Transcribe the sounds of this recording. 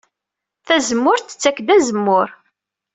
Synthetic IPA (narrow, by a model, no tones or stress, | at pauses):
θæzəmːʊɾθə̥t͡sːækːd̪æzəmːʊɾ